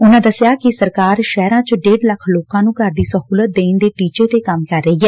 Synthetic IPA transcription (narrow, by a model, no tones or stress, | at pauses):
ʊnãːd̪əsɪjaːkɪsəɾkaːɾʃɛːɾãːt͡ʃəɖeːɖləkʰloːkãːnũːkəɾd̪iːsəɦuːlət̪̚d̪eːnd̪eːʈiːt͡ʃeːt̪eːkəmkəɾːəiːɦɛː